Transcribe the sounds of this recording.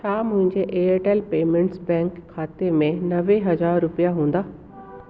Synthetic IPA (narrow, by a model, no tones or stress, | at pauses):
t͡ɕʰaːmʊ̃ɦɪ̃ɲd͡ʑeʔeːeʈeːlpeːmẽɳʈsbɛ̃ːŋkʰːaːt̪emẽnɐʋeɦɐzaːɾːʊpijaɦũːn̆d̪aː